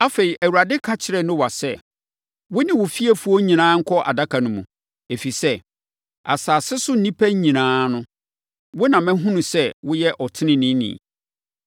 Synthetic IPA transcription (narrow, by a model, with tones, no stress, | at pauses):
a˦fe˨ɾi˨ʔæ˨wu˨a˨dɪ˦kʰã˦t͡ɕʰɪ˨˦ɾɛ˨nʊ̃˦wa˨sɛ˦ | wʊ˦nɪ̃˦wʊ˨fi˦e˦fu˦ɔ˦ɲĩ˨nãː˨˦ŋ̩˦kʰɔ˦ʔa̰˨da˦kʰa˨nʊ̃˨mũ˨ | e˨fi˨sɛ˦ | a̰˨saː˨sɪ˦sʊ˦n̩˦nĩ˦pʰæ˦ɲĩ˨nãː˦nʊ̃˦ | wʊ˦nã˨mɛ̃˦ɦũ˦nũ˨sɛ˦wʊ˦jɛ˦ʔɔ˨tʰɪ˦nɪ̃˦nĩ˦nḭ̃˨